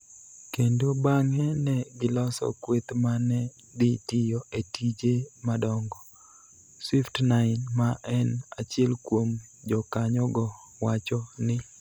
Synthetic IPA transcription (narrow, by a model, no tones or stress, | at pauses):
kendobaŋɛnɛɡɪlɔsɔ̰kwet̪manɛ | d̪ɪtɪjɔetʰid͡ʒemadɔŋɡɔ | swiftnaɪnmaʔɛnat͡ʃɪɛlkwomd͡ʒɔkaɲɔɡɔ | wat͡ʃɔnɪ